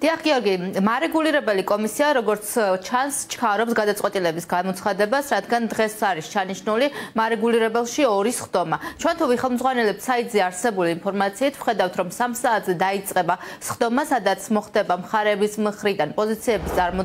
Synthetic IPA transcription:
d̪̥iaχɡiɔɾɡimaɾɛɡuliɾɛbɛlikʼɔmisiaɾɔɡɔɾt̪st͡ʃʰanst͡ʃʰkʰaɾɔpsɡad̪at̪sʼwɛt̪ʼilɛbisɡamɔt̪sʰχad̪ɛbasɾad̪ɡand̪ʁɛsaɾist͡ʃʰaniʃnulimaɾɛɡuliɾɛbɛlˠʃiɔɾisχd̪ɔmat͡ʃʰwɛnt̪ʰuviχɛlˠmd̪zʁwanɛlɛpsait̪ʼzɛaɾsɛbuliːnpʰɔɾmat̪sʰiːt̪ʰvχɛd̪avft̪ʰɾɔmsamsaːt̪ʰzɛd̪ait̪sʼqʼɛbasχd̪ɔmasad̪at̪sʰmɔχd̪ɛbamχaɾɛːbismχɾid̪anpʼɔzit̪sʰiɛbist̪ʼaɾmɔ

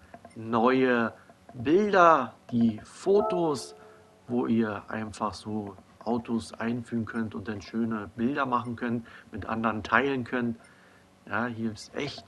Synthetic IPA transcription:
nɔʏə | bɪldɐd̥iːfoːtoːs | voːʔiːɐʔa̰ɪnfaχz̥oː | ʔaʊtʰosʔa̰ɪnfyːʁn̩kʰœntʊnt̚d̥anʃøːnəbɪldɐmaχn̩kʰœntmɪtʔa̰ndəʁəntʰaɪlənkʰœnt | jaːhiːɐɪpsʔɛ̰çt

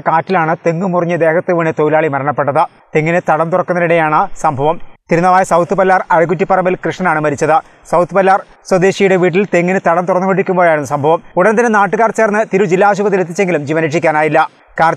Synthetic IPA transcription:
kaːtːilaːɳɨt̪e̞ŋːumurɐɲːɨd̪e̞ːkɐt̪ːeʋiɳet̪ojilaːɭimɐɾɐɳɐpːe̞ʈːɐðɨ | t̪eŋːinɨt̪ɐɽɐmt̪urɐkːunːɐniɽejaːɳɨsɐmbʱɐʋɐmt̪iɾunːɐʋaːjɐsɐwt̪ːɨpɐlːaːrɐjɐɡutːipːɐrɐmilkrɨʂɳɐnaːɳɨmɐɾit͡ɕːɐðɨ | sɐwt̪ːɨpɐlːaːr | swɐd̪eːɕijuɽe̞ʋiːʈ̬ːilt̪e̞ŋːinɨt̪ɐɽɐmt̪urɐnːukoɳʈːikʲːumbojaːjiɽunːɐsɐmbʱɐʋɐmuɽɐnt̪ɐnːenaːʈːɨɣaːrt͡ɕe̞ːrnːɨt̪iɾud͡ʑilːaːɕ̬ubɐt̪̬ːilet̪̬ːit͡ɕːe̞ŋɡilumd͡ʑiːʋɐneʈʂikʲːaːnaːjilːɐ | kaːɾ

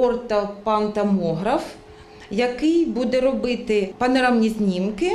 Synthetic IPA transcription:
ɔrt̪ɐpɐnt̪ɐmɔɦɾɐf | jɐkɪjbud̪ɛɾɔbɪt̪ɪpɐnɐɾamnʲizʲnʲimkɪ

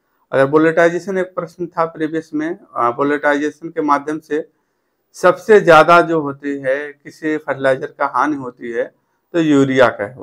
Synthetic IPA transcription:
ɐ̰ɡəɾboːleʈaːɪd͡ʒeːʃəneːk̚pɾəʃnt̪ʰapɾeːbeːsmẽboːleʈaːɪd͡ʒeːʃənkemaːd̪ʱjəmse | sɐbsezjaːd̪ad͡ʒoːɦoːt̪iɦɛkɪsipʰɐʈʰlaːd͡ʒəɾkaɦaːniɦoːt̪iɦɛ | t̪ojuːɾijaka̰ɦɛ

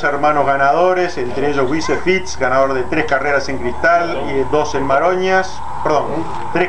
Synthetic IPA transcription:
seɾmãnozɣanaðo̞ɾesent̪ɾeeʒo̞zwisefit̪sɡanaðo̞ɾðet̪ɾehkareɾase̞ŋkɾist̪al | d̪o̞senmaɾoɲas | peɾðon | t̪ɾe

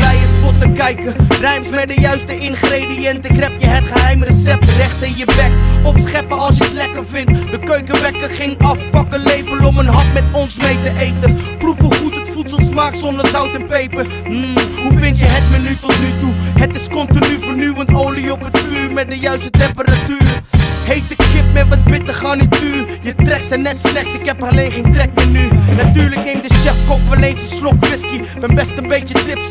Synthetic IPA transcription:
ɛjɪsfɔtəkɛjkərɛɥmsmɛt̚dəjœɥstəɪnχrejdijɛntɪkrɛpjəɦətχəɦɛjmərəsɛp̚trɛχtɪnjəbɛkɔpsχɛpəɑlˠsjəətlɛkəɹvɪnt̚dəkøɥkəʋɛkəχɪŋɑfpɑkəlejpəlɔmənɦɑtmɛtɔnsmejtəʔejtənprufuχutɦətfutsəlˠsmaːksɔndəɹzʌwtɛnpejpə | m̩ɦuvɪntjəɦət̚mənytɔtnytuɦətɪskɔntinyvəɹnywəntowliɔpətfyːɹmɛt̚dəjœɥstətɛmpəɾatyːɾəhejt̚dəkɪp̚mɛtʋɑt̚bɪtəχaːnitfyːrjətrɛk̚sənɛtslɛχtsɪkɛpəlejχɪŋtrɛk̚mənynatyːɹləknejmdəsɛfkɔpvəlejnsəslɔkʋɪski | bɛnbɛstənbejtətrɪps

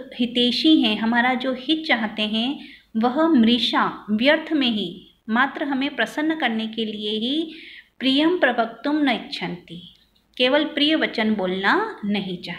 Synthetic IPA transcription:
hɪt̪eːʃiɦɛ̃ɦɐmaːɾad͡ʒoːhɪt̪̚t͡ʃaːɦt̪eɦɛ̃ | ʋɐɦmɾɪʃaʋjəɾt̪ʰmẽɦi | maːt̪ɾəɦɐmẽpɾɐsənːkɐɾnekelieɦipɾijəmpɾɐbʱək̚t̪ʊmnɐɪtːʃʰə̃nt̪i | keːʋəlpɾijəʋɐt͡ʃənboːlnanɐɦĩt͡ʃaːɦ̪

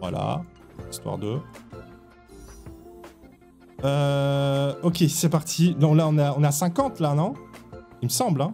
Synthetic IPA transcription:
va̰la̰ | ist̪wa̰ʁd̪ə | ø | ɔkʲesɛpaʁt̪ʰid̪ɔ̃laɔ̃naɔ̃nasɛ̃kɑ̃t̪lanɔ̃iməsɑ̃blɛ̃

